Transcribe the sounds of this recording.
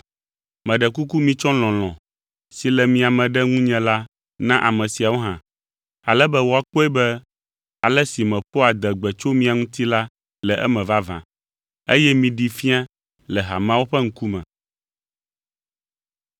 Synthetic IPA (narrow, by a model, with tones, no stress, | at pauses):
mɛ̃˨ɖɛ˨ku˦ku˦mĩ˦t͡ʃɔ̃˦l̃ɔ̃˨l̃ɔ̃˨ | si˨lɛ˨mĩ˨a˨mɛ̃˨ɖɛ˦ŋũ˦ɲɛ̃˨la˦ | nã˦ʔa˨mɛ̃˨si˨a˨wo˦ɦã̰˨ | a˨lɛ˦bɛ˦wo˨a˨k͡po˦ɛ˦bɛ˦ | a˨lɛ˦si˨mɛ̃˨ɸo˦a˨d̪ɛ˨ɡ͡bɛ˨t͡ʃo˦mĩ˨a˨ŋũ˦t̪i˦la˦ | lɛ˨ʔɛ˦mɛ̃˨va˦vã̰˨ | e˦jɛ˦mĩ˨ɖi˨fĩ˦a˦ | lɛ˨ɦa̰˨m˦ã˦wo˦ɸɛ˦ŋ̩˦ku˦mɛ̰̃˨